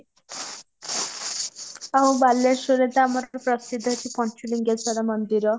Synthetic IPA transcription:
aɦũbalːeɾsoɾed̪amɔɾɔɾpɾɔsid̪ʱːɔt̪ʰipɔnt͡ʃʰuliŋɡat͡sɔnamɔnd̪iɾɔ

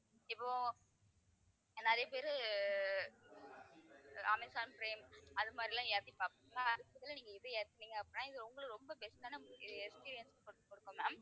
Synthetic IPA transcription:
ɪpːoː | nɛɾɐjɐpeːɾɯ | ɐmɛɪsaːnpɾeːmɐðɯmaːd̪ɾilãːeɾt̪ipaːɾŋnaɐðɯpːɐðɐlɐniːŋɡɐɛðɯeːɾt̪ːɯnːiːŋɡɐɐpːɐnːaːɪðɯɾʊŋɡɐɭɯɾɔmbɐbɛsʈaːnɐɪɛkspiːɾɪjɐnskɔɽʈːɯkːɔɽɯkːɯmaː

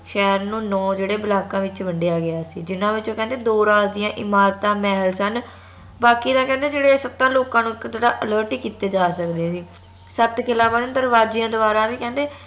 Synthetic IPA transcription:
ʃɛːɾnũːnɔːd͡ʒeːɽeːbəlaːkãːʋɪt͡ʃʋəɳɖejaːɡɪjaːsḭːd͡ʒɪnãːʋɪt͡ʃoːkɛ̃nd̪eːd̪oːɾaːzd̪ijãːʔɪmaːɾt̪ãːmɛːɦəlsən | baːkiːd̪ãːkɛ̃ːnd̪eːd͡ʒeːɽeːsət̪ːãːloːkãːnũːɪkt̪oːɽaːʔələːɾʈiːkiːt̪eːd͡ʒaːsəkd̪eːsiː | sət̪kɪlãːbaːd̪nd̪əɾʋaːd͡ʒiːãːd̪ʊbaːɾãːʋiːkɛ̃ːnd̪eː

